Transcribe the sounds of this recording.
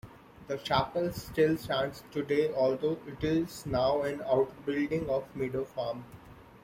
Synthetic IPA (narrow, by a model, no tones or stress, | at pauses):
d̪ət͡ʃæpəlssʈɪlst͡ʃæ̃ːɳʈsʈuɖeːɔːlsoːʔɪʈɪznaʊɛ̃naʊʈbɪlɖɪ̃ŋɡɔːʋmiɖoːfaːm